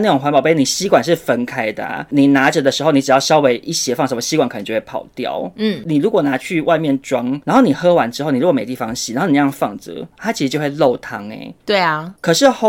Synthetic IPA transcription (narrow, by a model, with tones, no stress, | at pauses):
n˥˩ʈ͡ʂʊ˨˩ŋxwa˧˥npɑ˨˩pe˥˩ɪni˨˩ɕi˦˥kwa˨˩nʂ̬ɻ̩˥˩fə˦nkʰa˧˥ɪd̪ə̰˨ni˨˩na˧˥ʈ͡ʂə˧˨d̪ə˨ʂɻ̩˧˥o˥˧ʊni˧ʈ͡ʂɻ̩˨˩jɑ˥˩ʂɑ˦˥ʊwe˧˥ɪʔi˥˩ɕjɛ˥fɑ˥˩ŋʂə˧˥˩e˥˩ɕi˧˥kwa˨˩nkʰə˨˩nə˧˦t͡ɕjo˥˧˩wpʰɑ̰˨˩ʊt̪jɑ̰˥˨˩ʊ˥˩ni˨˩ɻu˧˦˥kwɔ˨˩na˧˦t͡ɕʰy˥˧wa˥˧ɪmjɛ˥˨nʈ͡ʂwɑ˥ŋna˨˥nxo˥˩ni˨˩xɤ˥wa˧˦nʈ͡ʂɻ̩˥xo˥ʊn˨ɻu˧˥kme˨˩t̪i˥˩fɑ˧˦ŋɕi̥˨˧˩a˨˦no˥˩nː˨˩˧jɑ˥˧ŋfɑ̰˥˨˩ŋt͡sɤ̰˧˦t̪ʰa˦˥t͡ɕʰi˧˥ʂɻ̩˨˧t͡ɕjo˥˧xwe˥˧lo˥˩ʊt̪ʰɑ˥ŋḛ˧˩ɪt̪we˥˩ɪ˨˩kʰɤ˨˩ʂɻ̩˥˩x